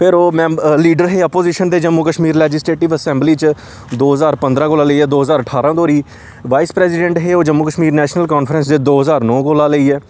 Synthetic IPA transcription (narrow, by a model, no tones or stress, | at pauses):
pʰɪɾoːmɛ̃ːliːɖəɾɦeːəpoːziːʃənd̪eːd͡ʒəmːuːkəʃmiːɾlɛːd͡ʒɪsʈeːʈɪʋəsɛ̃ːmbliːt͡ʃ | d̪oːɦəzaːɾpənd̪ɾãːkoːlãːləiːɛːd̪oːɦəzaːɾəʈʰaːɾãːd̪oːɾiː | ʋaːiːspɾɛːsɪɖɛ̃ɳʈɦeːoːd͡ʒəmːuːkəʃmiːɾnɛːʃnəlkɔːnfʰɾə̃ns̬d̪eːd̪oːɦəzaːɾnɔ̃ːkoːlaːləiːɛː